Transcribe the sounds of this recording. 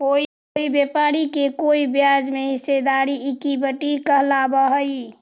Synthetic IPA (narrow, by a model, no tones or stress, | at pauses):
koi | oibjepaɾikekoibjad͡ʒmeɦɪsed̪aɾiikibəʈikəɦlabəɦəi